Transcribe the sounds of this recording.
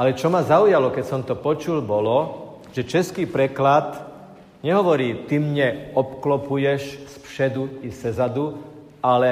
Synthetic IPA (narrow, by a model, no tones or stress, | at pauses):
alɛt͡ʃɔmazaujalɔkɛcsɔmt̪ɔpɔt͡ʃulbɔlɔ | ʒɛt͡ʃɛskiːpɾɛklat̪ | ɲɛɦɔʋɔɾiːt̪imɲɛɔpklɔpujɛʃspʃɛd̪uisɛzad̪u | alɛ